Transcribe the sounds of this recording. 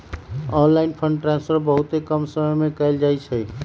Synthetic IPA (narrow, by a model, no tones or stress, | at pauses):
ɔ̃nlainpʰəɳɖʈɾãnspʰəɾbəɦut̪ekəmsəməjmekəɪld͡ʒajt͡ʃʰəj